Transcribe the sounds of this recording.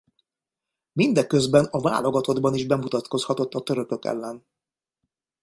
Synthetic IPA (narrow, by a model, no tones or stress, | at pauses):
mind̪ɛkːø̞zbɛnɒva̰ːloɡɒt̪o̞d̪bɒniʒbɛmut̪ɒt̪ko̞shɒt̪o̞t̪ːɒt̪ø̞ɾø̞kø̞kɛ̰lːɛn